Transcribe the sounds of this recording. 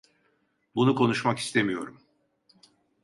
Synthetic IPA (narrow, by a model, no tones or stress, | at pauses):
bunukʰo̞nuʃmaki̥st̪ʰe̞mijo̞ɾum